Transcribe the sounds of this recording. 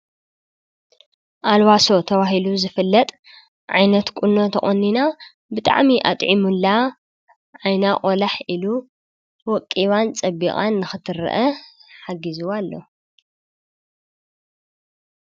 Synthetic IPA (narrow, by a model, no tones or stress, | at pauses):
ʔalwaso̞t̪ʰɐβaɦiluzɨfɨlːɐt̪ʼ | ʕajnɐt̪kʷʼuno̞t̪ʰɐχʼonːina | bɨt̪ʼa̰ʕmiʔa̰t̪ʼʕimulːa | ʕajnaqʼolaħilu | wɔkʼːiβant͡sʼɐbiχʼa̰nːɨxɨt̪ʰɨɾɐ̰ʔɐħaɡizuwalːo